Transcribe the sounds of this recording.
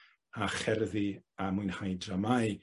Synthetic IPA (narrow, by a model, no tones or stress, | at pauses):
aχɛrðiamʊɨnhajdramaj